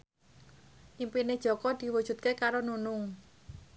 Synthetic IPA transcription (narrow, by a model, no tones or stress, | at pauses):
ʔimpined̥ʒ̥ɔ̤kɔd̪̥i̤wud̥ʒ̥ṳt̪̚kekaɾonunʊŋ